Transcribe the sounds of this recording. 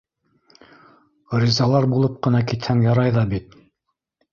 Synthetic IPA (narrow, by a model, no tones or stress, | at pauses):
ɾʲizɑlˠɑɾbulˠɤp̚qɤ̆nɑkit̪hæŋjɑɾɑjðɑbit̪̚